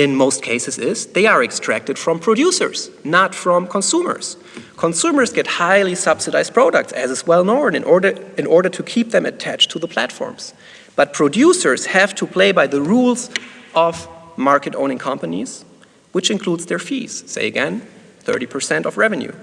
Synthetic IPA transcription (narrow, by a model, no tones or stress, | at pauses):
ɪ̃nmoʊst̚kʰeɪsɨzɪzðeɪə˞ɨkstɹ̥æk̚tɨd̥fɹʌ̃mpʰɹ̥odjusə̰˞z̥nətfɹʌ̃mkʰɔ̃nsumə̰˞z̥ | kʰɔ̃nsumə˞zɡɛt̚haɪlˠisʌb̥sɨdaɪz̚pʰɹ̥oʊɾə̰k̚tsɨzɨswɛlˠnõʊ̃nɨ̃nʔɔɹɨ̃nɔɹɾə˞tʰukʰip̚ðɨ̃mɨ̰tʰæt͡ʃtʰuðəpʰl̥æ̰tfɔ̰ɹmz̥ | b̥ʌt̚pʰɹ̥odjusə˞z̥hæv̥tʰupʰl̥eɪbaɪðəɹulˠzʔɔvmɑɹkɨɾõ̰ʊ̃ñɪ̃ŋkʰʌ̃mpənḭz | wɨt͡ʃɨ̃nkʰl̥udzðə˞fḭz̥seɪɨɡɛ̃n | θɜ̰˞ɾipʰə˞sɛ̃ntʌvɹɛvɨ̃njṵ